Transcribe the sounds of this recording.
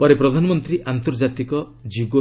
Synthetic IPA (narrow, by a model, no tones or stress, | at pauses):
pɔɾepɾɔd̪ʱanɔmɔnt̪ɾiʔant̪oɾd͡ʒat̪ikɔ | d͡ʒiɡo